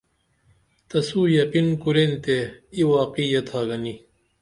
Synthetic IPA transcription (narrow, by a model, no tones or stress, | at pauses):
t̪ɐsuːjɐqinkuɾent̪eiwaːqijɐt̪ʰaːɡɐni